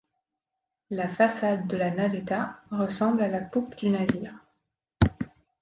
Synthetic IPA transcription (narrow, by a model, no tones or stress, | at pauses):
lafasad̪ːəlanad̪et̪aʁəsɑ̃blalapupd̪ynaviːʁ